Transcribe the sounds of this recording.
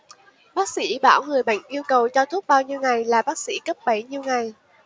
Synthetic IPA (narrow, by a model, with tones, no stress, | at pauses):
ɓaː˦˥k̚sḭ˧˥ɓaː˧˩wŋɨ˨˩əjɓə̰˧˨jŋ̟ʔi˧əwkə˨˩wt͡ɕɔ˧t̪ʰu˦˥p̚ɓaː˧wɲi˧wŋa˨˩jlaː˨˩ɓaː˦˥k̚sḭ˧˥kə˦˥p̚ɓə˨˩˦jɲi˧əwŋa˨˩j